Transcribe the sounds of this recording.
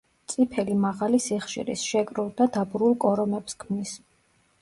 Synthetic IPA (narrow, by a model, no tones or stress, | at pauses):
t̪sʼipʰɛlimaʁalisiχʃḭɾḭsʃɛkʼɾulˠd̪ad̪abɾulˠkʼɔɾɔmɛpskʰmnis